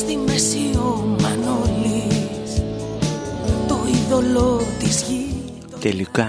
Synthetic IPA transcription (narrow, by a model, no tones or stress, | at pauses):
ðiŋmesiomanolis | t̪oiðolot̪isɣi | t̪t̪elika